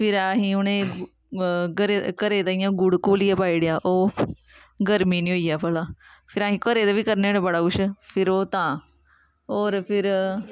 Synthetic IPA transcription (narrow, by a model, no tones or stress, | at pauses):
pʰɪɾaːɦĩːʊnẽː | ɡəɾekəɾeːt̪aːɪjãːɡʊɽkoːliːaːpaːiːɽejaːʔoː | ɡəɾmiːnĩːɦoːiːaːpəːlaːpʰɪɾaːɦĩːkəɾeːt̪aːʋiːkəɾneːɽeːbəɽaːʊʃpʰɪɾoːt̪ãː | oːɾpʰɪɾ